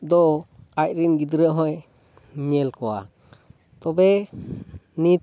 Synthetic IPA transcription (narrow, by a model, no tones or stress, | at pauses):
d̪ɔac̚ɾinɡid̪ɾəʔɦɔ̃j | ɲɛlkɔwa̰ | t̪ɔbɛ | ni